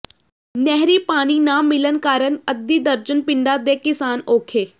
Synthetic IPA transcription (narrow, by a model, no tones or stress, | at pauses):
nɛɦɾiːpaːniːnaːmɪlənkaːɾənəd̪ːiːd̪əɾd͡ʒənpɪɳɖaːd̪eːkɪsaːnoːkʰeː